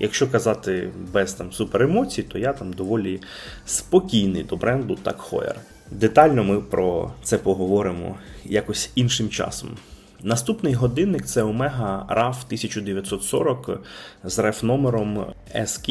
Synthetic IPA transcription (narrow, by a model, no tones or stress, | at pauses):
jʔɐkʃt͡ʃɔkɐzɑt̪ɪbɛzt̪ɑmsupeɾemɔt͡sʲijt̪ɔjat̪ɑmd̪ɔʋɔlʲi | spɔkʲijnɪjd̪ɔbɾɛnd̪ʊt̪ɑ̰kxɔ̰jḛr | d̪et̪ɑlʲnɔmɪpɾɔt̪sɛpɔɦɔʋɔɾɪmɔ̰jakɔsʲinʃɪmt͡ʃɑ̰sɔ̰m | nɐst̪upnɪjɦɔd̪ɪnːɪkt̪sɛɔmɛɦɐrɑft̪ɪsʲɐt͡ʃʊd̪eʋʲjɐt̪sɔt̪sɔ̰ɾɔkzrɛfnɔmeɾɔm | ɛskʲ